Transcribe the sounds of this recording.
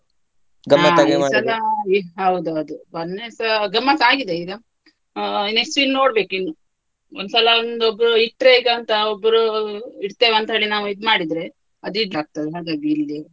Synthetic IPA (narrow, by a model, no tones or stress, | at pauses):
ɡɐmːɐɐɡesɐlɐiɦɐwd̪uɐd̪ubɐnːesɐɡɐmːɐsaːɡid̪eid̪ɐ | neksʈilno̞ːɽbe̞ːkuinːu | ond̪sɐlɐond̪obːɾuiʈːɾeːɡɐnt̪ɐobːɾuiɽt̪eːʋeɐnt̪ɐɦeɭinaːʋuid̪umaːɽid̪ɾe̞ | ɐd̪iɖlaːk̚t̪ɐd̪eɦaːɡ̪ɐbiːlːi